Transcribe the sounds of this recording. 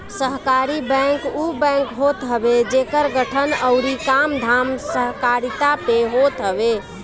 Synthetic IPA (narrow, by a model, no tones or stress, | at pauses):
səɦkaɾibɛ̃ŋkubɛ̃ŋkɦot̪ɦəbed͡ʒekəɾɡəʈʰənəʊɾikamd̪ʱamsəɦkaɾit̪apeɦot̪ɦəbe